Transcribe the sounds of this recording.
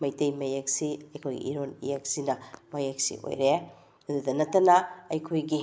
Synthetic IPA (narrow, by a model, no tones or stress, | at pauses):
mɐjtejmɐjek̚siɐjkʰojɡḭʔḭɾonḭjek̚sinɐmɐjek̚sḭʔo̰jɾe | ɐdudɐnɐtːɐnɐɐjkʰojɡi